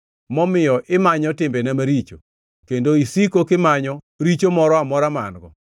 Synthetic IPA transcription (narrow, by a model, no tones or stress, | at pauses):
mɔmɪjɔʔɪmaɲɔtɪmbenamaɾit͡ʃo | kendoisikokɪmaɲɔ | ɾit͡ʃomɔɾɔamɔɾama̰nɡɔ̰